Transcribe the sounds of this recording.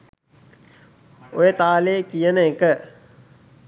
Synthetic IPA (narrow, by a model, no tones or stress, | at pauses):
ojət̪aːleːkijənəekə